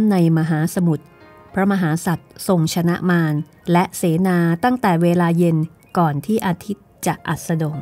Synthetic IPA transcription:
nnːa˧jmaː˧ɦaː˩˦sa˧mu˨˩t̪̚ | pʰɾa˦˥ma˧ɦaː˩˦sa˨˩t̪̚so˨˩ŋt͡ɕʰa˧na˦˥ʔmaː˧n | lɛ˦˥ʔseː˩˦naː˧t̪a˥˩ŋt̪ɛː˨˩weː˧laː˧je˧n | kɔː˨˩nt̪ʰiː˥˩ʔaː˧t̪ʰi˦˥t̪̚t͡ɕa˨˩ʔʔa˨˩t̪̚sa˧do˨˩ŋ

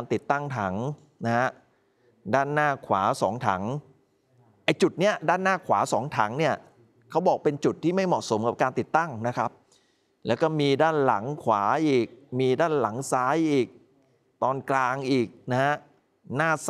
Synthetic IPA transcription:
nt̪i˨˩t̪ːa˥˩ŋt̪ʰa˩˦ŋ | na˦˥ha˦˥ | daː˥˩nːaː˥˩kʰwaː˩˦sɔː˩˦ŋt̪ʰa˩˦ŋ | ʔa˧˩jt͡ɕu˨˩t̪̚ni˦˥ɐdaː˥˩nːaː˥˩kʰwaː˩˦sɔː˩˦ŋt̪ʰa˩˦ŋni˥˩ɐ | kʰa˦˥wbɔː˨˩k̚pe˧nt͡ɕu˨˩t̪ʰːiː˥˩ma˥˩jmɔ˨˩ʔ̚so˩˦mka˨˩p̚kaː˧nt̪i˨˩t̪ːa˥˩ŋna˦˥kʰa˦˥p̚ | lɛː˦˥wkɔː˥˩miː˧daː˥˩nla̰˩˦ŋkʰwaː˩˦ʔiː˨˩k̚miː˧daː˥˩nla˨˩˦ŋsaː˦˥jʔiː˨˩k̚ | t̪ɔː˧nklaː˧ŋʔiː˨˩k̚na˦˥ha˦˥ | naː˥˩s

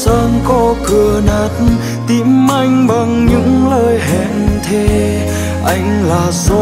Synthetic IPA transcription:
əː˧nkɔ˧kɨ˨˩ənaː˨˩t̚n | t̪i˧˦mʔa˧jŋ̟ɓa˨˩ŋɲɨ̰˧˥ŋləː˧jɦɛ˧˨nt̪ʰe˧ | ʔa˧jŋ̟laː˨˩zo˧˦

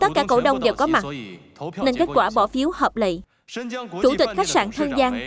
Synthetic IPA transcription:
t̪ə˦˥t̚kaː˧˩ko̰˧˩ɗə˧wŋ͡mɗe˨˩wkɔ˨˦ma˨˩t̚ | ne˧nke˦˥t̚kwaː˧˩ɓɔ˧˩fi˨˦əwhəː˨˩p̚lḭ˧˨ | t͡ɕu˧˩t̪wï˨˩k̟̚xa˦˥k̚saː˧˩nt̪ʰə˧ŋzaː˧ŋ

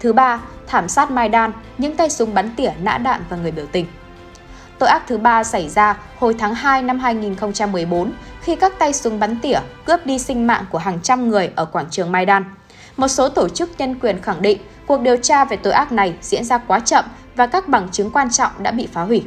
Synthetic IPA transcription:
t̪ʰɨ˨˦ɓaː˧t̪ʰaː˧˩msaː˦˥t̚maː˧jɗaː˧n | ɲɨ̰˧˥ŋt̪a˧jsʊ˨˦ŋ͡mɓa˨˦nt̪i˧˩əna̰ː˧˥ɗa̰ː˧˨mvaː˨˩ŋɨ˨˩əjɓi˧˩əwt̪ï˨˩ŋ̟ | t̪o̰˧˨jʔaː˦˥k̚t̪ʰɨ˨˦ɓaː˧sa˧˩jzaː˧ | ho˨˩jt̪ʰaː˨˦ŋɦaː˧jna˧mɦaː˧jŋi˨˩nxə˧wŋ͡mt͡ɕa˧mːɨ˨˩əjɓo˨˦nxi˧kaː˦˥k̚t̪a˧jsʊ˨˦ŋ͡mɓa˨˦nt̪i˧˩əkɨ˦˥əp̚ɗi˧sï˧ŋ̟ma̰ː˧˨ŋku˧˩əɦaː˨˩ŋt͡ɕa˧mŋɨ˨˩əjʔəː˧˩kwaː˧˩ŋt͡ɕɨ˨˩əŋmaː˧jɗaː˧n | mo˨˩t̚so˨˦t̪o˧˩t͡ɕɨ˦˥k̚ɲə˧nkwi˨˩ənxa˧˩ŋɗḭ˧˨ŋ̟ | ku˨˩ək̚ɗi˨˩əwt͡ɕaː˧ve˨˩t̪o̰˧˩jʔaː˦˥k̚na˨˩jzḭ˧˥ənzaː˧kwaː˨˦t͡ɕə̰˧˨m | vaː˨˩kaː˦˥k̚ɓa˨˩ŋt͡ɕɨ˨˦ŋkwaː˧nt͡ɕɔ̰˧˨wŋ͡mɗa̰ː˧˥ɓḭ˧˨faː˨˦ɦwi˧˩

